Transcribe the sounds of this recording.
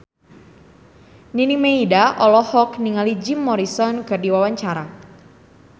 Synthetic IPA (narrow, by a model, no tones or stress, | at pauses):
ninimeidaʔɔlɔhɔkniŋalid͡ʒimːɔɾisɔnkɨrdiwawaɲt͡ʃaɾa